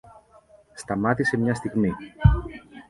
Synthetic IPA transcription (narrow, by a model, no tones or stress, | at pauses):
st̪ɐmɐt̪ise̞mɲɐst̪iɣmi